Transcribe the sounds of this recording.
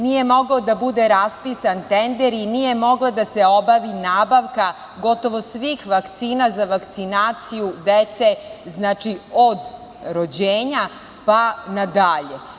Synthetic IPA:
nije̞mo̞ɡaod̪abud̪eɾaspisant̪end̪eɾinije̞mo̞ɡlad̪aseo̞baʋinaːbaʋka | ɡo̞t̪o̞ʋo̞sʋixʋakt̪siːnazaʋakt̪sinaːt̪sijud̪et̪seznaːt͡ʃiod̪ | ɾod͡ʑeːɲa | panad̪aʎe

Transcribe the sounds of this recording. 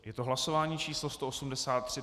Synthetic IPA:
jɛt̪oɦlaso̞vaːɲiːt͡ʃiːslost̪o̞ʔosumdɛsaːt̪̚ːr̝̥ɪ

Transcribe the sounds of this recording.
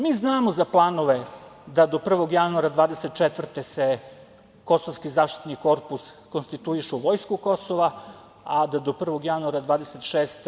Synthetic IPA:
miːznaːmozaplˠaːnoʋed̪ad̪o̞pr̩ʋo̞ɡjanuaɾad̪ʋaːd̪eset̪̚t͡ʃet̪vr̩t̪ese | ko̞soʋskizaːʃt̪i̥t̪niko̞ɾpuskonst̪it̪uiʃeʋo̞jskuko̞soʋa | ad̪ad̪o̞pr̩ʋo̞ɡjanuaɾad̪ʋaːd̪eset̪ʃeːst̪

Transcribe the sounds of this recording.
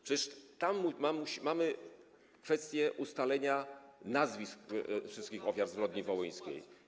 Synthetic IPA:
pʂɛt͡ɕɛʂt̪amːumamuɕimamɘ | kfɛst̪ʲjɛʔust̪alɛɲanazvʲiskfʂɘst̪̚kʲixɔfʲjaɾzvɾɔd̪̚ɲivɔwɛj̃skʲḛj

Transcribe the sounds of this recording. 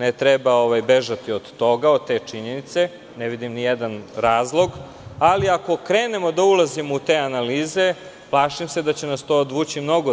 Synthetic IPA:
net̪ɾebao̞ʋajbeʒat̪iod̪ːo̞ɡaod̪̚t̪e̞ːt͡ʂiɲe̞nit̪se̞ | neʋid̪imnijed̪anɾaːzlˠo̞ɡ | aliako̞kɾeːne̞mo̞d̪aulˠazimout̪eːanaliːze̞ | plˠaːʃimse̞d̪at͡ɕenast̪oːd̪ʋuːt͡ɕimno̞ɡo

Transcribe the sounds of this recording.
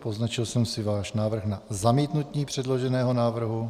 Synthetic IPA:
po̞znat͡ʃɪlsɛmsɪvaːʃnaːvr̩xnazamiːt̪nut̪ɲiːpr̝̥ɛdlo̞ʒɛnɛːɦonaːvr̩ɦu

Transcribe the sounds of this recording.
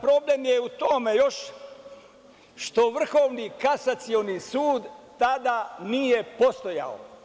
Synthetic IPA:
pɾo̞blemjeut̪omejo̞ʃ | ʃt̪o̞ʋr̩xo̞ːʋnikasat̪sionisuːd̪t̪ad̪anijepo̞st̪o̞ja̰o̰

